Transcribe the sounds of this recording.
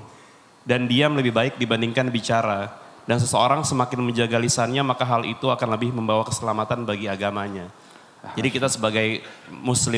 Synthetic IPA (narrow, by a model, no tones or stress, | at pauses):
dandiamləbɪhbaɪk̚dibandiŋkanbit͡ʃaɾa | dans̬əsəoɾaŋsəmakɪnməɲd͡ʒaɡalisanɲamakaɦalḭt̪uakanləbɪhməmbawakə̥səlamat̪anbaɡiaɡamaɲa | d͡ʒadikit̪asəbaɡajmuslɪ